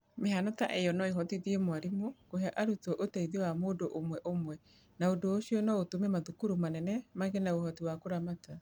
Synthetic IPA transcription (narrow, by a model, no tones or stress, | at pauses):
meɦanɔta̰ʔejɔnɔeɦɔtiðiemwaɾimokoheaʔaɾutɔʔotɛiðɔwamoːdoʔomwɛʔomwɛ | naodoːɕiɔnɔotomɛmaðukuɾumanɛnɛmaɣenaohɔtiwakoɾamata